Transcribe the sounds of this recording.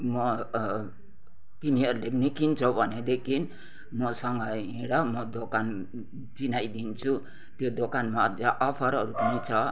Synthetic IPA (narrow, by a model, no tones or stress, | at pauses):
mʌ | t̪iniʌɾulenikint͡sʰʌbʱʌned̪ekʰin | mʌsʌŋɡʌɦĩɽʌmʌd̪okan | d͡zinajd̪int͡sʰu | t̪jod̪okanmad̪aʔʌpʰʌɾʌɾupʌnit͡sʰʌ